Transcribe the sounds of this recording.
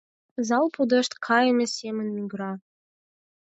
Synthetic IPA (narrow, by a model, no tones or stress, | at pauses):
zɑlˠpud̪ə̆ʃt̪kʰɑjə̆mʲə̆sʲemə̆nmʲyɡɾɑ